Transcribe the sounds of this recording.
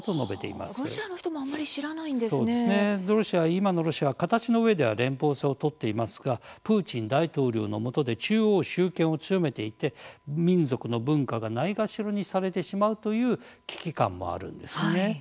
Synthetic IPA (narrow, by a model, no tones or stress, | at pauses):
t̪ono̞be̞t̪e̞̰ḭma̰ɾoɕianoçi̥t̪omoamːaɾʲiɕiɾanaĩd̪seso̞ːdnesɨne̞ɾo̞ɕiaβaimano̞ɾo̞ɕiaβakat̪at͡ɕino̞ɯ̟βe̞d̪e̞β̞a̰ɾẽ̞mpo̞ːseo̞t̪o̞t̪ːe̞imasɨ̥ɡapɯ̟ːt͡ɕĩnd̪ait̪o̞ːɾʲo̞̰ːno̞mo̞t̪o̞d̪e̞t͡ɕɨːo̞ːɕɨːkẽ̞ɰ̃o̞t͡sɨjo̞me̞t̪e̞it̪e̞mʲĩnd͡zo̞kɯ̟no̞bɯ̟̃ŋkaɡanaiɡaɕiɾo̞ɲ̟isaɾe̞t̪e̞ɕimaɯ̟t̪o̞jɯ̟ːkʲi̥kʲikã̰mːo̞̰a̰ɾɯ̟̰̃nd̪e̞sɨne̞